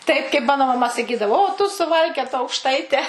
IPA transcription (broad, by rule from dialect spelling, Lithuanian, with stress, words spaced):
ˈtɐɪp kɐɪp ˈmɑːnoː mɐˈmɐ sɐˈkʲiːdɐʋoː oː tʊ sʊˈʋɐlʲkʲoːtɐ ɐʊkʃˈtɐɪtʲɛ